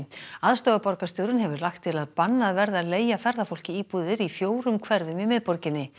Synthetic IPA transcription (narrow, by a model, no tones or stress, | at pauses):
aðst̪ɔːɣapɔɾkast̪jowɾʏnɦɛvʏɾlaxt̪ʰːɪlaðpanːaðvɛɾðaðleːjafɛɾðafowl̥cɪiːpuðɪɾifjoːwɾʏmkʰvɛɾðʏmimɪðpɔɾcɪnːɪ